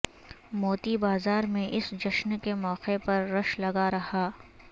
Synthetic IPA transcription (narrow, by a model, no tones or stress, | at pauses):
moːt̪ibaːzaːɾmẽʔɪsd͡ʒɐʃnkemɔːqepɐɾːɐʃlɐɡaɾɐɦaː